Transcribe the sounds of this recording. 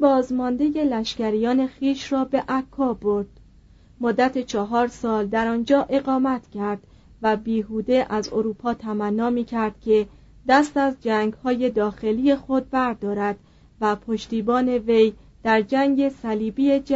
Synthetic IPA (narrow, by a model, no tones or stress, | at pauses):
bɒːzmɒnd̪e̞je̞læʃcæɾijɒːne̞xiːʃrɒːbe̞ʔækʰːɒːbo̞ɾd̪̥ | mod̪ːæt̪ʰet͡ʃʰɒɦɒːɾsɒːld̪æɾɒːnd͡ʒɒːʔe̞ɣɒːmæt̪ʰcʰæɾd̪̥ | væbiːɦuːd̪e̞ʔæzo̰ɾuːpʰɒːt̪ʰæmænːɒːmiːcʰæɾd̪̥cʲʰe̞ | d̪æst̪æzd͡ʒæːŋɡhɒːje̞d̪ɒːxe̞liːje̞xo̞d̪̚bæɾd̪ɒːɾæd̪̥ | væpʰo̞ʃt̪iːbɒːne̞ve̞j | d̪̥æɾd͡ʒæŋɡe̞sæliːbied͡ʒ